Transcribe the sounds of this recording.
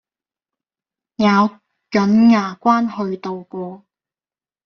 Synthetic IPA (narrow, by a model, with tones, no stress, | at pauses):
jaː˨˧w | jɵ˨˥nŋaː˨˩kʷaː˥nhɵ˧ɥt̪o˨˧wkʷɔː˧